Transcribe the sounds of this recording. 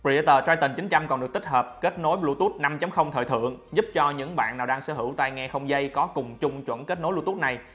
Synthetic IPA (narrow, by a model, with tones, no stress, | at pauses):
pi˧˩˧t̪əː˨˩zaː˧jt̪i˨˩ŋt͡ɕi˨˦ŋ̟t͡ɕa˧mkɔ˨˩nɗɨ˨˩ək̪̚i˦˥k̚həː˨˩p̚ke˦˥t̚no˨˦jlṵ˧˥t̪u˦˥t̚na˧mt͡ɕa˨˦mxə˧wŋ͡mt̪ʰəː˧˨t̪ʰɨ̰˧˨əŋzu˦˥p̚t͡ɕɔ˧ɲɨ̰˧˥ŋɓa̰ː˧˨naː˨˩wɗaː˧ŋsə̰ː˧˦hɦɨ˧˩wt̪a˧jŋɛ˧xə˧wŋ͡mzə˧jkɔ˨˦kʊ˨˩ŋ͡mt͡ɕʊ˧ŋ͡mt͡ɕwə̰˧˥˨nke˦˥t̚no˨˦jlṵ˧˥t̪t̚na˨˩j